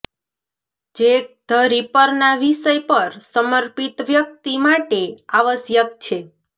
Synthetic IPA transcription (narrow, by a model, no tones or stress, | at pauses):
d͡ʒek̚d̪̥ʱəɾipəɾnaʋiʃəjpəɾsəməɾpit̪ʋjək̚t̪imaʈeaʋəsjəkt͡ʃʰe